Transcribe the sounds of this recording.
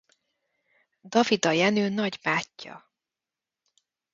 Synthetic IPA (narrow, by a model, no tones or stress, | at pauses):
d̪ɒvid̪ɒjɛnøːnɒɟbaːcːɒ̰